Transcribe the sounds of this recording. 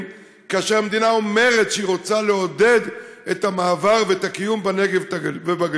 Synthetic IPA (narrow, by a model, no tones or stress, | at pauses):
kaaʃeʁamed̪inao̞me̞ʁe̞t̪ʃeiʁo̞t͡sale̞o̞d̪e̞d̪et̪amaːvaʁveet̪akijumbane̞ɡevtvebaɡ